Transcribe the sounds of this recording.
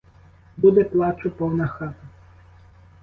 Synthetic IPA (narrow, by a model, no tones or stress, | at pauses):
bud̪ɛplˠɑt͡ʃʊpɔwnɐxɑt̪ɐ